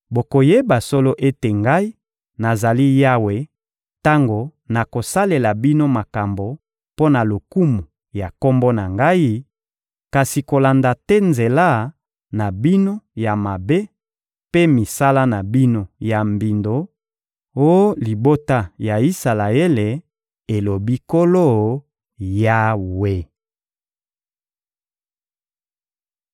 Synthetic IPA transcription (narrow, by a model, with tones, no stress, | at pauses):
bo˨ko˨je˦ba˨so˦lo˦ʔe˦te˨ŋɡa˦i˦ | na˨za˨li˦ja˦we˨ | ta˦ŋɡo˨na˨ko˨sa˦le˨la˨bi˦no˦ma˨ka˨mbo˨ | po˦na˨lo˨ku˦mu˨ | ja˨ko˦mbo˦na˨ŋɡa˦i˦ | ka˨si˨ko˨la˨nda˨tɛ˦nze˨la˦ | na˨bi˦no˦ja˨ma˨be˦ | pe˦mi˨sa˦la˦na˨bi˦no˨ja˨mbi˨ndo˨ | o˦li˨bo˦ta˦ja˨i˦sa˨la˨e˦le˨ | e˨lo˨bi˦ko˦lo˦˨ | ja˦we˦